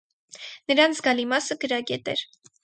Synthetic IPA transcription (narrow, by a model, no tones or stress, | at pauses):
nəɾɑnt͡sʰɡɑlimɑsəɡəɾɑɡɛt̪ɛ̰ɾ